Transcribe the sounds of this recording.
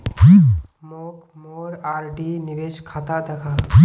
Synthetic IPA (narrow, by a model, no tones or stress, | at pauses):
pi | moːk | moːɾaːɾɖinɪʋeːʃkʰaːt̪ad̪ɐkʰaːi